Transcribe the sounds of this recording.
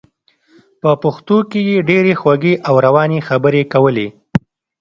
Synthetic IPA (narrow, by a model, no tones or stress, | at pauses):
pəpʊxt̪okejeɖeɾexwaɡeʔawɾawɑnexabəɾekawəle